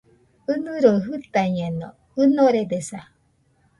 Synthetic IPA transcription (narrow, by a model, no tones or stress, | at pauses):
ɯnɯɾoɦɯt̪aɲẽno | ɯnoɾed̪esa